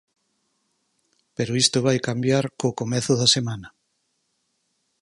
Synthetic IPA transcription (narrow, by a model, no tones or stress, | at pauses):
peɾoist̪oβajkambjaɾkoːkomeθʊðɐsemanɐ